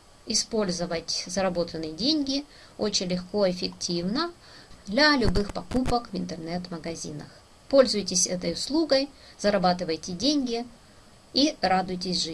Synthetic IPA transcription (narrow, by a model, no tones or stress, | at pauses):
ɪspo̞lʲzəvətʲzəɾɐbo̞t̪ənːɨjədʲenʲɡʲɪ | ot͡ɕɪnʲlʲɪxko̞ɪfʲɪktʲʰivnə | d̪lʲɐlʲʊbɨxpɐkupəkvɪnt̪ɨrnɛt̪məɡɐzʲḭnə̰x | po̞lʲzʊjtʲɪsʲɛt̪əjʊslˠuɡəj | zɐɾɐbat̪ɨvəjtʲɪdʲenʲɡʲɪ | iɾad̪ʊjtʲɪsʲʐɨ